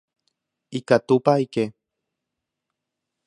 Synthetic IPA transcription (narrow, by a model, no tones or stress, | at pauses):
ikat̪upaike